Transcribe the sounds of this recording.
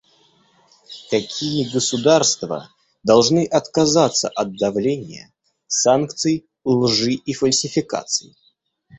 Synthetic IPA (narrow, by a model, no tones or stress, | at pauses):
kɐkʲʰijəɡəsʊd̪arst̪və̰ | d̪ɐlˠʐnɨʔɐt̪kɐzat̪səʔɐd̪̚d̪ɐvlʲenʲɪjə̰ | sankt̪sɨj | lˠʐɨifəlʲsʲɪfʲɪka̰t̪sɨj